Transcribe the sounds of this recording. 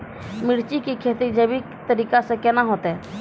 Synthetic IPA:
mɪɽt͡ʃikikʰeːt̪id͡ʒeːbikt̪əɾiːkasekɛnaɦoːt̪ɛː

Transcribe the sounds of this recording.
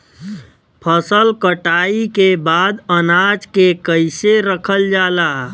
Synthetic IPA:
pʰəsəlkəʈaːikebaːd̪ənaːd͡ʒkekəɪseɾəkʰəld͡ʒaːlaː

